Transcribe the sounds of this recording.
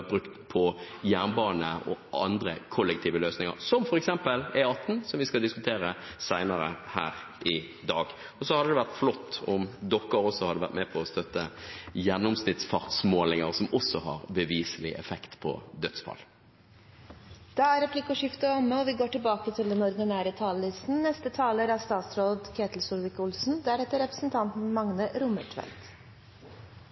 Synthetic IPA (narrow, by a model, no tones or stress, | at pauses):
bɾʉkt̪pʰɔ | jæːʁnbɑːnəɔ̰ɑ̰nd̪ɾəkʰɔlːɛk̚t̪ʰiːʋəløːsnɪŋə̰ʁsɔmfɔʁɛksɛmpəlɛɑt̪ːn̩sɔmʋɪskɑld̪ɪskʉt̪ʰeːɾəsæɪnəɾəhæ̰ːɾ | ʔɪ | d̪ɑːɡ | ɔsɔhɑd̪əd̪ɛʋæʁt̪flɔt̪ːɔmd̪ɔkːəɾɔsːɔhɑd̪ːəʋæ̰ɾt̪mɛpʰɔɔst̪œt̪ːəjænʊmsnɪd̪sfɑʁt̪smoːlnɪŋəɾsɔmʔɔsːɔhɑ̰ʁbəʋiːsəlɪ̰ʔɛ̰fɛkt̪pʰɔ̰d̪œt̪sfʰɑ̰l | d̪̥ɑæɾɛpʰlɪkəʂɪft̪əɔmːəɔʋɪɡoːʈɪlbɑːkət̪ʰɪld̪ɛnɔɾd̪ɪnæːɾət̪ʰɑːləlɪst̪n̩nɛst̪ət̪ʰɑːləɾæst̪ɑːt̪sɾoːd̪kʰeːt̪l̩sʊlʋɪkʊlsn̩d̪æɾɛt̪ːəɾɛpɾə̥sn̩t̪ʰɑnt̪n̩mɑŋnəɾʊməʈʰʋɛ̰lt̪